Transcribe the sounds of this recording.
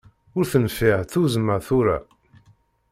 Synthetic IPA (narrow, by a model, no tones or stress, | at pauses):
ʊɾθənfiʕθuzməɾθʊɾa̰